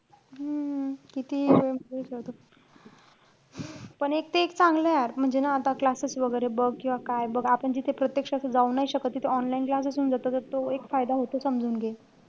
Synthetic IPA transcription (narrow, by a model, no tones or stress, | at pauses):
ɦəkit̪iːməesət̪o | pəɳek̚t̪eːkt͡sãŋɡləjaɾm̤əɳd͡zenaːt̪aklasəsʋəɡəjɾebəɡkĩw̃ʋakajbəɡapəɳd͡ʑit̪ʰepɾət̪jəkʂaəsəd͡zaunaɦiɕəkət̪ːit̪ʰeɔnlainklasəsuːnd͡zat̪at̪əɾt̪oekfajd̪aɦot̪osəmd͡zʱuːnɡe